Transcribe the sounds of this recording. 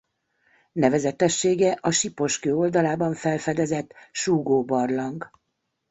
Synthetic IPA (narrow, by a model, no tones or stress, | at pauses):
nɛvɛzɛt̪ɛʃːeːɡɛʔɒʃipo̞ʃkøːo̞ld̪ɒlaːbɒɱfɛlfɛd̪ɛzɛt̪ʃuːɡoːbɒrlɒŋɡ